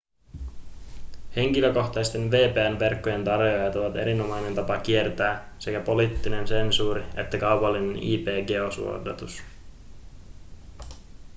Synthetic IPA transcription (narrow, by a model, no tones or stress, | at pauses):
he̞ŋk̟ilø̞ko̞xt̪ɑjst̪e̞nʋe̞ːpeːænʋe̞rkːoje̞nt̪ɑrjojɑt̪oʋɑt̪e̞̰ɾino̞mɑjne̞nt̪ɑpɑk̟ie̞rt̪æː | se̞kæpo̞liːt̪ːine̞nse̞nsuːɾie̞̰t̪ːækɑwpɑlːine̞nḭːpe̞ːɡe̞o̞sṵo̰dɑ̰t̪us